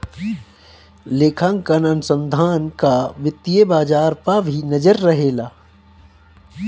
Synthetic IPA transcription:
leːkʰãŋkɐnɐnʊsə̃nd̪ʱaːnkaʋɪt̪ːijebaːd͡ʒaːɾpabʱinɐd͡ʒəɾːɐɦeːlaː

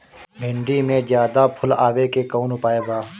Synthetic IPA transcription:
bʱɪ̃ɳɖimẽzjaːd̪apʰʊlaːwekekoːnʊpaːebaː

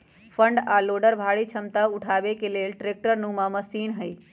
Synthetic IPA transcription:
pʰəɳɖaloɖəɾbʱaːɽit͡ʃʰəmt̪aʊʈʰaːʋekelelʈɾek̚ʈəɾnumãməsiːnɦəj

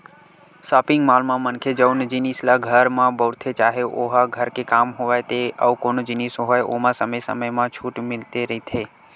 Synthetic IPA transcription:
saːpɪŋɡmalmãmənkʰed͡ʒəwnd͡ʒinislaɡʱəɾmãbəwɾt̪ʰet͡ʃaːɦeʔoɦaɡʱəɾkekaːmɦoʋajt̪eəukonod͡ʒɪnisoɦojʔomãsəməjsə̰məjmãt͡ʃʰuːʈmɪlt̪eɾəɦit̪ʰe

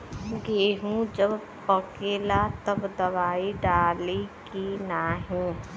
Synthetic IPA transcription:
ɡeːɦũd͡ʒəb | pəkeːlat̪ɐbd̪ɐʋaːiɖaːlikinaɦĩː

